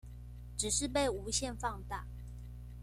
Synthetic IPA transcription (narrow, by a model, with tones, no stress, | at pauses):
ʈ͡ʂɻ̩˨˩ʂɻ̩˥˧pe˥˨ɪu˧˥ɕjɛ˥˧˨nfɑ˥˧ŋt̪a˥˩